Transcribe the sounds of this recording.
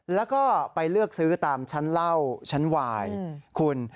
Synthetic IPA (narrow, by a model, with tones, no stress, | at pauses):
lɛː˦˥wkɔː˥˩pa˧jlɯ˥˩ək̚sɯː˦˥t̪aː˨˧mt͡ɕʰa˦˥nla˥˩wt͡ɕʰa˦˥nwaː˧jkʰu˧n